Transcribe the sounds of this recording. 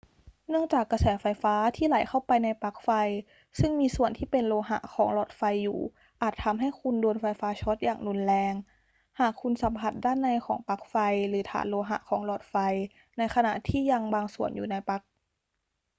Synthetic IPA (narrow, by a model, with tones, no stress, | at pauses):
nɯ˥˩əŋt͡ɕaː˨˩kːa˧sɛː˩˦fa˧jfaː˦˥t̪ʰiː˥˩˨la˨˩˦jkʰa˥˩wpa˧jna˧jpa˦˥k̚fa˧j | sɯ˥˩ŋmiː˧su˨˩ənt̪ʰiː˥˩pe˧nloː˧ɦa̰˧ʔkʰɔː˩˦ŋlɔː˨˩t̪̚fa˧jːṵː˨˩ | ʔaː˨˩t̪ʰːa˧mɦa˥˩jkʰu˧ndoː˧nfa˧jfaː˦˥t͡ɕʰo˦˥t̪̚ja̰ː˨˩ŋlu˧nlɛː˧ŋ | haː˨˩kʰːu˧nsa˨˩˦mpʰa˨˧˩t̪̚daː˥˩˨nːa˧jkʰɔ̰ː˩˦ŋpa˦˥k̚fa˧jlɯː˩˦t̪ʰa̰ː˨˦nloː˧ɦa̰˧˩ʔkʰɔː˩˦ŋlɔː˨˩t̪̚fa˧j | na˧jkʰa˧na̰˨˩ʔt̪ʰiː˥˩ja˧ŋbaː˧ŋsu˨˩ənjṵː˨˩na˧jpa˦˥k̚